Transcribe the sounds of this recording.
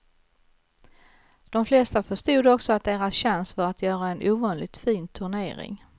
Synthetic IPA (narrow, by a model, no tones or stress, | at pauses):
d̪̥ɔmflɛst̪afœʂt̪uːd̪ɔksɔat̪̚d̪eːɾasɕɛnst̪vaɾat̪ʰjœːɾaɛnʔuːvɑːnlɪt̪fiːnt̪ʰɵɳḛːɾɪ̰ŋ